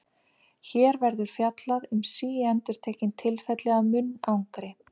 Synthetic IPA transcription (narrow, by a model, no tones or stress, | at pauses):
çɛːɾvɛɾðʏɾ̥fjat̪laðʏmsiːɛnt̪ʏɾ̥t̪ʰeːcɪnt̪ʰɪlfɛt̪lɛɣamʏnːawŋkɾɪ